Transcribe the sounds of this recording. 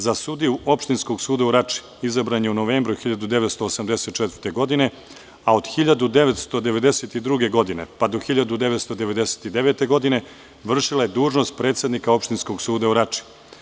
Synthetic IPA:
zasud̪iuʔo̞pʃt̪insko̞ɡsuːd̪auɾat͡ʂi̥ | izabɾaɲeunoʋeːmbɾuxiʎad̪ud̪e̞ʋe̞t̪st̪oːsamd̪ese̞t̪t͡ʃɛt̪vəɾt̪e̞ɡo̞d̪ine | ao̞d̪xiʎad̪ud̪e̞ʋe̞t̪st̪o̞d̪e̞ʋe̞d̪e̞set̪id̪ɾuɡe̞ɡo̞d̪ine̞̰pad̪oxiʎad̪ud̪e̞ʋe̞t̪st̪od̪e̞ʋe̞d̪ese̥t̪id̪eʋet̪e̞ɡo̞d̪ine̞ | ʋr̩ʃilajed̪uːʒno̞st̪̚pɾeːt̪sje̞d̪nikao̞pʃt̪insko̞ɡsuːd̪auɾat͡ʂi̥

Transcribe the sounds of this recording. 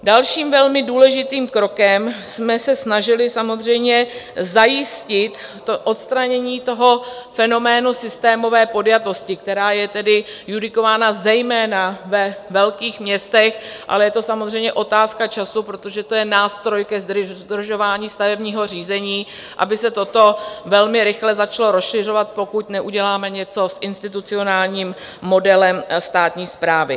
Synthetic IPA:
dalʃiːmvɛlmɪduːlɛʒɪt̪iːmkɾo̞kɛmsmɛsɛsnaʒɪlɪsamo̞zr̝ɛjmɲɛzajɪscɪt̪ː | oʔot̪st̪ɾaɲɛɲiːt̪o̞ɦo̞fɛno̞mɛːnusɪst̪ɛːmo̞vɛːpo̞djat̪o̞scɪk̚t̪ɛɾaːjɛt̪ɛdɪjudɪko̞vaːnazɛjmɛːnavɛvɛlkiːxmɲɛst̪ɛxʔa̰lɛjɛt̪o̞samozrɛjmɲɛʔo̞t̪aːskat͡ʃasupɾo̞t̪o̞ʒɛt̪o̞jɛnaːst̪ɾo̞jkɛzd̪r̩ʒo̞vaːɲiːst̪avɛbɲiːɦo̞r̝iːzɛɲiː | ʔa̰bɪsɛt̪o̞t̪o̞vɛlmɪɾɪxlɛzat͡ʃalo̞ɾosʃɪr̝o̞vat̪̚po̞kuc̪nɛʔuɟɛlaːmɛɲɛt͡so̞sʔɪnst̪ɪt̪ut͡sɪo̞naːlɲiːmː | o̞dɛlɛmst̪aːt̪ɲiːspɾaːvɪ

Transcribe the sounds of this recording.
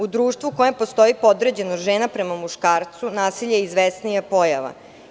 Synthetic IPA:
ud̪ɾuːʃt̪ʋuko̞jempo̞st̪o̞jipo̞d̪ɾed͡ʑe̞noʒeːnapɾemamuʃkaːɾt̪sunaːsiʎejizʋesnijapo̞jaʋa̰

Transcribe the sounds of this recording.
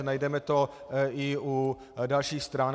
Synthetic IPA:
najdɛmɛt̪oɪʔu | dalʃiːxst̪ɾaːn

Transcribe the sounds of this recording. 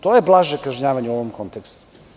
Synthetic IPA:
t̪o̞jeblˠaʒekaʒɲaːʋaɲeuo̞ʋomko̞nt̪ekst̪u̥

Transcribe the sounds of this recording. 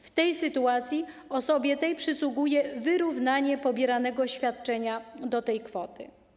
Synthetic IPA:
ft̪ɛjsɘt̪uat̪sʲji | ɔsɔbʲjɛt̪ɛjpʂɘswuɡujɛvɘɾuvnaɲɛpɔbʲjɛɾanɛɡɔɕfʲjat̪t͡ʂɛɲad̪ɔt̪ɛjkfɔt̪ɘ̰

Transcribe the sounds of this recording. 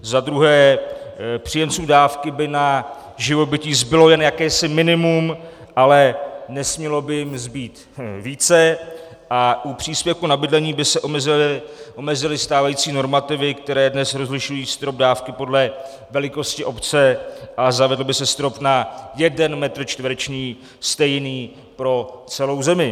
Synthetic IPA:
zad̪ɾuɦɛː | pr̥ijɛmt͡suːdaːfkɪbɪna | ʒɪvo̞bɪciːzbɪlojɛnjakɛːsɪmɪnɪmumʔalɛnɛsmɲɛlo̞bɪjɪmzbiːt̪ | viːt͡sɛ | ʔaʔupr̝̥iːspjɛfkunabɪdlɛɲiːbɪsɛʔomɛzɪʔo̞mɛzɪlɪst̪aːvajiːt͡siːno̞ɾmat̪ɪvɪkt̪ɛɾɛːdnɛsɾo̞zlɪʃujiːst̪ɾo̞b̚daːfkɪpo̞dlɛ | vɛlɪko̞scɪʔo̞pt͡sɛʔazavɛdl̩bɪsɛst̪ɾo̞pnajɛdɛnmɛt̪r̩t͡ʃt̪vɾɛt͡ʃniː | st̪ɛjniː | pɾo̞t͡sɛlo̞wzɛmɪ

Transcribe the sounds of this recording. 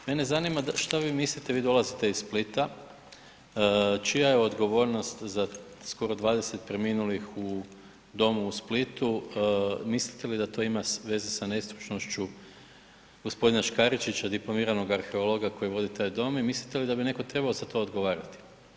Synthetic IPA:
me̞ne̞zanimaʃt̪aʋiːmislit̪e̞ʋiːd̪o̞lˠazit̪e̞izssplit̪a | t͡ʃijajeo̞d̪ɡo̞ʋo̞ːɾno̞st̪za | sko̞ɾo̞d̪ʋaːd̪e̞se̞t̪̚pɾeminulixu | d̪o̞muːsplit̪u | mislit̪e̞lid̪at̪o̞imaʋe̞zesane̞st̪ɾut͡ʃno̞ʃt͡ʃu | ɡ̥o̞spo̞d̪inaʃkaɾit͡ʃit͡ɕad̪iplo̞miːɾano̞ɡaɾxe̞o̞lˠo̞ɡako̞jiʋo̞d̪it̪ajd̪o̞mimislit̪e̞lid̪abine̞ko̞t̪ɾe̞baozat̪ʰo̞od̪ɡo̞ʋaːɾat̪i̥

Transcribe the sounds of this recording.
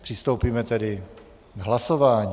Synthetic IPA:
pr̝̥ɪst̪owpiːmɛt̪ɛdɪ | ɡɦlasovaːɲː

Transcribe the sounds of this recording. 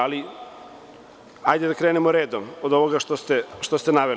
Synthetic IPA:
ali | ajd̪ed̪akɾeːnemoɾeːd̪omod̪oʋoɡaʃt̪ost̪eʃt̪ost̪enaʋe

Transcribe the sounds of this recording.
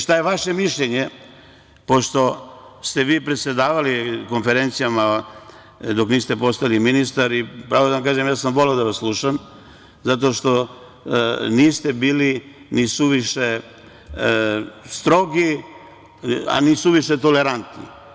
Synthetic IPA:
ʃt̪ajeʋaʃe̞miʃʎeɲe | po̞ʃt̪o̞st̪e̞ʋiːpɾet̪sʲje̞d̪aːʋaliko̞nfeɾent̪sijama | d̪o̞kniːst̪e̞po̞st̪ailiminist̪aɾipɾaːʋod̪aʋamkaːʒemjaːsamʋo̞leod̪aʋaslˠuʃam | zat̪o̞ʃt̪o̞ | niːst̪ebiːli | nisuʋiʃe | st̪ɾo̞ɡi | a̰nisuʋiʃet̪o̞le̞ɾant̪nḭ

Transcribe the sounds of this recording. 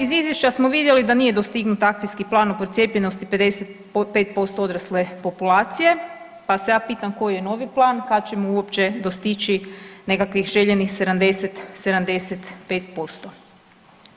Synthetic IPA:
izizjeʃt͡ʃasmoʋid̪je̞lid̪anije̞d̪ost̪iɡnut̪ak̚t̪ijskiplˠaːnopɾot̪sʲjeːpʎeno̞st̪iped̪e̞set̪ | pe̞ːt̪̚po̞st̪ood̪ɾasle̞po̞pulaːt̪sije̞ | pasejaːpiːt̪amko̞jjeno̞ʋiplˠaːnkad̪t͡ɕe̞muuopt͡ɕe̞d̪ost̪it͡ʃine̞kakʋixʒe̞ʎenixse̞d̪amd̪e̞set̪se̞d̪amd̪e̞set̪pe̞ːt̪po̞st̪o̞

